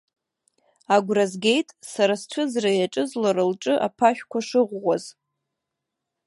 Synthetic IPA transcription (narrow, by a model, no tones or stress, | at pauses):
aɡʷrazɡʲe̞jtʼsaɾast͡ʃʷʰʊzrajaʈ͡ʂʼɨzlaɾɨlʈ͡ʂʼɨʔa̰pʰaʃᶣkʷʰaʂɨʁʷːaz